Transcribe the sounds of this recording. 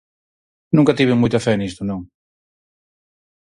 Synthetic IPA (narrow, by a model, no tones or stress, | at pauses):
nũŋkɐt̪iβeŋmujt̪ɐfɛnist̪ʊnõŋ